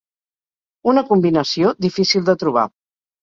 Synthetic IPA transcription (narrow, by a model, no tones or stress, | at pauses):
unəkumbinəsioðifisilˠd̪ət̪ɾuβ̞a̰